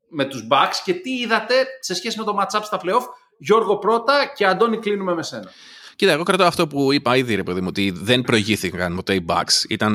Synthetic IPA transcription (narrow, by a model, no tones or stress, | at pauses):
me̞t̪uzbɐksce̞t̪iiðɐt̪e̞sesçe̞sime̞t̪o̞mɐt̪t͡sɐpst̪ɐfleo̞f | ʝo̞ɾɣo̞pɾo̞t̪ɐceɐnd̪o̞niklinumemese̞nɐ | cit̪ɐeɣo̞kɾɐt̪oɐft̪o̞puipɐiðiɾe̞pe̞ðimuot̪iðenpɾo̞iʝiθikɐnpo̞t̪e̞ibɐ̰ksḭt̪ɐn